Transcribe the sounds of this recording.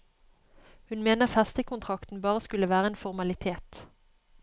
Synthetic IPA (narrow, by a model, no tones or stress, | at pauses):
hʉnmeːnəʁfɛst̪əkʰʊnt̪ʰʁɑkt̪n̩bɑːʁəskʉləʋæːʁəeːnfɔʁmɑlɪt̪ʰeːt̪